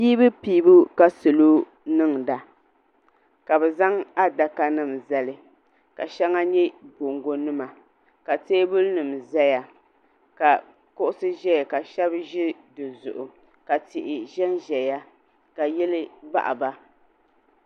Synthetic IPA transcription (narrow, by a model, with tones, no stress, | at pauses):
piː˦bɨ˦piː˦bu˦ka˦sɨ˨lo˦ | nɨ˦ŋda˨ | ka˨bɛ˨za˦ŋa˦da˨ka˦nɨ˦˨mzɛ˨lɨ˨ | ka̰˨ʃɛ˦ŋa˦ɲɛ˦bo˨ŋɡo˨nɨ˦ma˨ | ka˨teː˦bʊ˦lnɨ˨mzɛ˦ja˨ | ka˨ | kʊ˦ʔʊ˦sɨ˦ʒɛ˦ja˨ka˨ʃɛ˦bʒɪ˦dɨ˨zʊ̰˨ʔʊ˨ | ka˨tɪ˨ʔɪ˨ʒɛ˦nʒɛ˨ja˦ | ka˨jɛ˦lɨ˦ba̰˦ʔa̰˨ba˦